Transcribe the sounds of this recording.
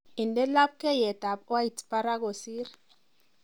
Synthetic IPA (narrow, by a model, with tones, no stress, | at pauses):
i˨ndɛ˦la˦p̚kɛ˦jɛ˨ta˨pwa˦jtpa˦ɾa˦ko˨si˦ɾ